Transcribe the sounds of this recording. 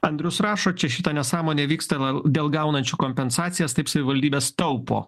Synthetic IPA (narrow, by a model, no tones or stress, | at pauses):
ɐnʲd̪ʲɾʲʊsɾɑːʃoːt͡ʃʲɛʃʲɪt̪ɐnʲɛsɑːmoːnʲeːʋʲiːkst̪ɐd̪ʲeːlˠɡɐˑʊnɐnʲt͡ʃʲuːkoːmʲpʲɛnsɑːt̪sʲɪjɛst̪ɐɪpsɐʋʲɪʋɐlʲd̪ʲiːbʲeːst̪ɐʊpo̰ː